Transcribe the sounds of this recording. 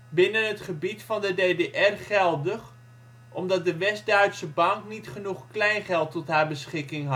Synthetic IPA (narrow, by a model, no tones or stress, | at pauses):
bɪnənɦətχəbitfɑndədejdeʔɛrχɛlˠdəχ | ʔɔmdɑt̚dəʋɛsdœɥtsəbɑŋknitχənuχklɛjnχɛlˠtɔtɦaːɹbəsχɪkɪŋɦɑ